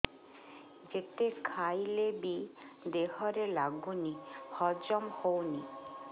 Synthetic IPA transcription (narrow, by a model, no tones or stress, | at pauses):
d͡ʒet̪ekʰajlebid̪eɦɔɾelaɡunihɔd͡ʒɔmhowni